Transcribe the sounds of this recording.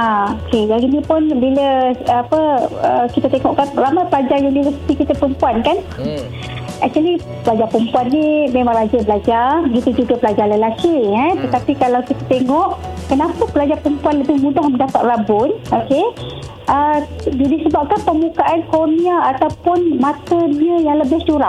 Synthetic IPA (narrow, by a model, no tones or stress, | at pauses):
aoked͡ʒaɾinipʊnbiləapəəkit̪at̪eŋɔʔkanramajpəlad͡ʒarjunivəsi̥t̪ikit̪apɾəmpuankan | ak̚t̪uəli | pəlad͡ʒapɾəmpuanːimemãŋrad͡ʒabəlad͡ʒarbəɡit̪ud͡ʒuɡapəlad͡ʒaləlakiət̪ət̪apikalawkit̪at̪eŋɔʔkənapapəlad͡ʒapəmpuanləbɪhmũdahməndapat̪̚rabʊnoke | ʔədidisəbap̚kanpəmukaʔankoniaːt̪awpʊnmat̪əniəjaŋləbɪht͡ʃuɾaʔ